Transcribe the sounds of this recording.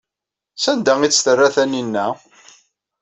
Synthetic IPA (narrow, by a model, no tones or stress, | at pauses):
sænd̪æŋit͡sːθərːæθæninːæ